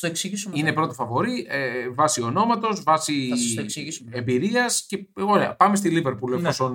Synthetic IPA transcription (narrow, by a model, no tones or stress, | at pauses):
t̪oeksiisuminepɾo̞t̪ofɐvo̞ɾievɐsio̞no̞mɐt̪o̞zvɐsisiisembiɾiɐsce̞eɣolepɐmest̪iliveɾpulefoson